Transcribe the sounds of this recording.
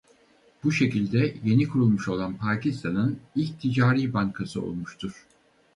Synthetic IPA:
b̥uʃe̞cilʲd̪ɛje̞nikʰuɾulˠmuʃo̞lˠanpʰaːcist̪ʰanɯnilʲc̚t̪ʰid͡ʒaːɾiːbaŋkʰasɯo̰lˠmuʃt̪ʰuɾ̥

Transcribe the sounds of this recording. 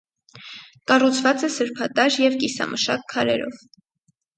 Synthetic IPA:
kɑrut͡sʰvɑt͡sɛsəɾpʰɑt̪ɑɾjɛvkisɑ̰mʔəʃɑ̰kʰːɑɾɛ̰ɾɔ̰v

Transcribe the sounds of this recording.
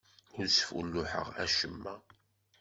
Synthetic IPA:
ʊɾsfṵlːuħə̰ʁæ̰ʃəmːæ

